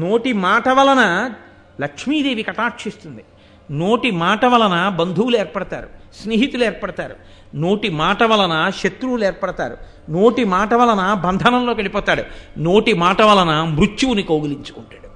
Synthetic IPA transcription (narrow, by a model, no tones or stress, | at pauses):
no̞ːʈimaːʈɐʋɐlɐnɐ | lɐkʂmiːd̪eːʋikɐʈaːkʂist̪und̪i | noːʈimaːʈɐʋɐlɐnɐbɐnd̪ʱuwulueːɾpɐɽɐt̪a̰ːɾusneːɦit̪ulueɛːɾpɐɽɐt̪a̰ːɾṵ | no̞ːʈimaːʈɐʋɐlɐnɐʃet̪ɾuwleːɾpɐɽɐt̪a̰ːɾṵ | no̞ːʈimaːʈɐʋɐlɐnɐbɐnd̪ʱɐnɐmlo̞ːkɐɽipɔːt̪aːɽṵno̞ːʈimaːʈɐʋɐlɐnɐmɾut͡ʃːuwunikoːɡɐliɲt͡ʃu̥kuɳʈḁːɽu